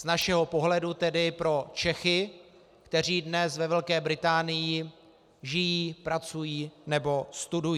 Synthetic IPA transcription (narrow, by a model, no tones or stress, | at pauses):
z̥naʃɛɦo̞po̞ɦlɛdut̪ɛdɪpɾo̞t͡ʃɛxɪ | kt̪ɛr̝iːdnɛsvɛvɛlkɛːbɾɪt̪aːnɪjɪ | ʒɪjiːpɾat͡sujiːnɛbo̞st̪uduj